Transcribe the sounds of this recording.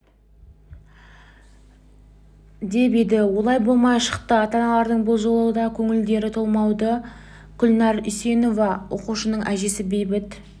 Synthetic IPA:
d̪e̞bed̪ɪwo̞lˠɑjbo̞lˠmɑjʃə̥qt̪əɑt̪ɑnɑlˠɑɾd̪əɴboʒolˠuwəd̪ɑkʲʰɵŋɪld̪e̞ɾɪt̪ʰo̞lˠmɑwd̪ə | ɡ̥ʲʏlnɑɾise̞no̞vɑwʔo̞̰quʃənəɴʔæʒe̞sɪbe̞jbɪt̪

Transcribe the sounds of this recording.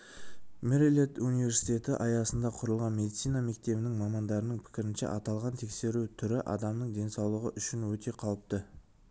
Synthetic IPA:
meɾelʲet̪unijvʲe̞ɾsi̥t̪ʲe̞t̪ɪʔɑjɑsənd̪ɑqʰʊɾəlˠʁɑnme̞d̪it̪sijnɑme̞k̚t̪e̞bɪnɪŋmɑmɑnd̪ɑɾənəɴpʰɪ̥kʲɪɾɪnʃḛʔɑt̪ɑlˠʁɑnt̪ʰe̞kse̞ɾut̪ʰʏɾɪʔɑ̰d̪ɑmnəɴd̪e̞nsɑwlˠəʁəʔʏʃɪnwɵt̪ʰe̞qʰɑw̪ˠəp̚t̪ə

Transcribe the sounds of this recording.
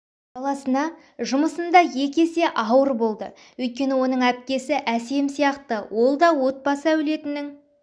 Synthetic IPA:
bɑlˠɑsənɑ | ʒʊməsənd̪ɑje̞kʲe̞se̞ʔɑwəɾbo̞lˠd̪ə̰ | wɵjt̪̚kʲe̞nɪwo̞nəɴæp̚kʲe̞sɪʔæse̞msijɑqt̪əwo̞lˠd̪ɑwo̞t̪̚bɑsəæwɪle̞t̪ɪnːɪŋ

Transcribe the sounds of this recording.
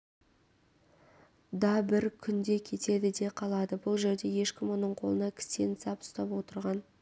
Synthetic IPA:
d̪ɑbɪɾkʲʰʏnd̪e̞kʲʰe̞t̪e̞d̪ɪd̪e̞qʰɑlˠɑd̪əbʊlˠʒe̞ɾd̪e̞je̞ʃkʲɪmwonəɴqʰolˠənɑkʲʰɪ̥st̪e̞nsɑpʊ̥st̪ɑpwo̞t̪əɾʁɑn

